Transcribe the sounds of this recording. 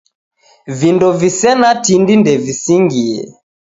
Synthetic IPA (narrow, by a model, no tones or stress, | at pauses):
vindɔvisɛnatindindɛvisiŋɡiɛ̰